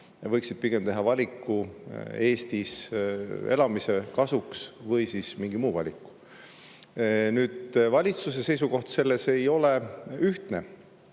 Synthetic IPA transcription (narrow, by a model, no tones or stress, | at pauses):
jɑvɤjksid̪̥̚piɡ̥e̞mt̪e̞ɦɑvɑlʲikːˑue̞ːst̪is | e̞̰lɑmise̞kɑsuksvɤjsismiŋɡimuːvɑ̰lʲikːˑu̥ | nyːd̪̥vɑlʲit̪sus̬ese̞js̬uko̞ht̪se̞lːe̞se̞jo̞le̞yht̪ne̞